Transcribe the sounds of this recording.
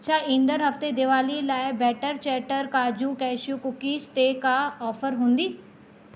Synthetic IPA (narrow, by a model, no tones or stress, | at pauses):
t͡ɕʰaːĩnd̪əɾɦɐft̪ed̪ɪʋaːlilaːɪbɛːʈəɾt͡ɕɛːʈəɾkaːd͡ʑukɛːʃjukʊkisʈ̪eːkaɔːfəɾɦũːn̆d̪iː